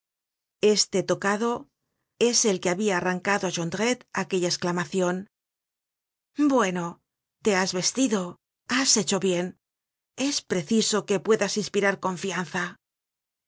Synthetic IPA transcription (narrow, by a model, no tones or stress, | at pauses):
e̞st̪e̞t̪o̞kaðo̞ | e̞se̞lke̞aβiaːraŋkaðo̞aʃond̪ɾet̪ake̞ʎaesklamaθjo̞n | bwe̞no̞ | t̪e̞azβe̞st̪iðo̞ | ase̞t͡ʃo̞βje̞n | e̞spɾe̞θiso̞ke̞pwe̞ðasinspiɾaɾko̞ɱfian̟θa